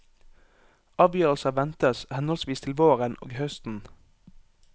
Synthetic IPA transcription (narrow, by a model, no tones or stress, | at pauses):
ɑːʋjøːʁəl̩səʋɛnt̪əshɛnɔlsʋiːst̪ʰɪlʋoːʁəno̰ːɡhœst̪n̩